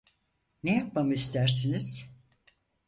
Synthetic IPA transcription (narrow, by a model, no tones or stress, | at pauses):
nejap̚mamɯist̪ʰæɾs̬iniz̥